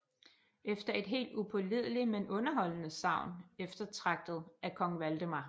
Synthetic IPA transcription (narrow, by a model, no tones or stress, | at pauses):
ʔefd̥ɐe̝d̥ɦe̝̰ːld̥upʰɔ̽lið̞̰ˠlimenɔ̽nɐɦɒ̽l̰ənəsɑ̈ʊ̰nefd̥ɐt͡sʰʁɑ̈ɡ̥̚d̥ð̞̩ˠækʰɒ̽ŋʋæld̥əmɑ̈